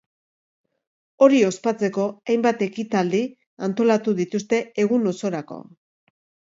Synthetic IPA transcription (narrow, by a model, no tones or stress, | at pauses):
o̞ɾio̞spat͡se̞ko̞ajmbat̪e̞kit̪ald̪i | ant̪o̞lat̪uðit̪ust̪e̞e̞ɣ̞uno̞so̞ɾako̞̰